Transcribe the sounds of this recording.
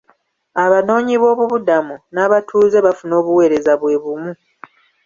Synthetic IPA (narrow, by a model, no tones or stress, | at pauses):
aβano̞ːɲiβo̞ːβuβudamunaːβatʰuːze̞βafuno̞ːβuwe̞ːɾe̞zaβwe̞ːβumu